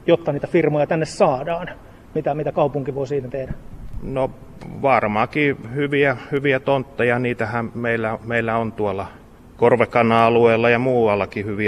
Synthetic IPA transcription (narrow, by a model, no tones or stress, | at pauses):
jot̪ːɑniːt̪æfirmojɑt̪ænːessɑːdɑːn | mit̪æmit̪ækɑupuŋkiʋoisiːnæt̪ehdæno | ʋɑrmɑkihyʋiæhyʋiæt̪ont̪ːɑjɑniːt̪æhæmmeilːæmeilːæont̪uɑlːɑ | korʋekɑnɑɑlueːlːɑjɑmuːɑlːɑkihyʋiæ